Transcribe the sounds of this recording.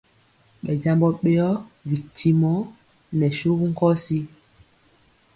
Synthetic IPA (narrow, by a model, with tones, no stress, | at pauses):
ɓɛ˨d͡ʒa˦mbɔ˦ɓe˦ɔ˦vi˨tʰːi˦mɔ˦ | nɛ˨ʃu˦ku˦ŋ̩˦kɔ˦si˦